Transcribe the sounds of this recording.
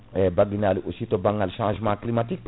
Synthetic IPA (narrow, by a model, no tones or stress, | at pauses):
ɛbaɡinaliʔosit̪obãŋalʃãːʒmãːklimat̪ik̚p